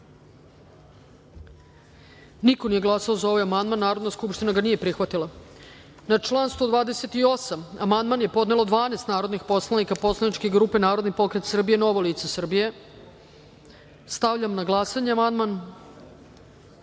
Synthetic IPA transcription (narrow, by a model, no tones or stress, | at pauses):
nikonije̞ɡlˠasaozao̞ʋajamand̪manːaːɾo̞d̪naskupʃt̪inaɡanije̞pɾixʋat̪ilˠa | nat͡ʂlˠaːnst̪vod̪ʋaːd̪ese̞t̪io̞samamand̪manjepo̞d̪ne̞lˠo̞d̪ʋaːneːst̪naːɾo̞d̪nixpo̞slˠanikapo̞slˠanit͡ʃkiɡɾuːpe̞naːɾod̪nipo̞kɾet̪sr̩bijeno̞ʋoliːt̪sesr̩bije̞ | st̪aʋʎamnaɡlˠasaɲeamand̪man